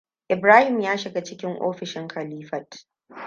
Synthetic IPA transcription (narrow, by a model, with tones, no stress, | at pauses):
ʔɪ˨bɾaː˦hɪ˨mjaː˦ʃɪ˨ɡa˦t͡ʃɪ˦kʲɪ˦ŋʔo̰ː˦ɸɪ˨ʃɪ˦ŋkʰɐ˨liː˦ɸɐ˨t